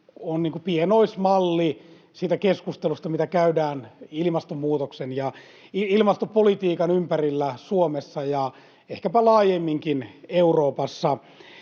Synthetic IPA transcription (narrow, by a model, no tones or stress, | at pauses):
onniːŋkupienoismɑlːi | siːt̪ækeskust̪elust̪ɑmit̪ækæydæːnilimɑst̪omːuːt̪oksenjɑ | iilmɑst̪opolit̪iːkɑnympærilːæsuomesːɑjɑ | ehkæpælɑːjemːiŋkineuroːpɑsːɑ